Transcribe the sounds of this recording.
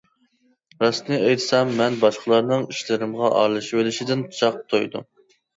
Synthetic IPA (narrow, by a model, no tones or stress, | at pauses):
ɾɑsnɨejt̪ʰsɛmːɛnbɑʃqʰəlˠɑɾnɨŋiʃlɪɾɪmʁɑʔɑ̰ɾlˠɨʃelɪʃid̪ɪnt͡ʃʰɑq̚t̪ʰojd̪ṵ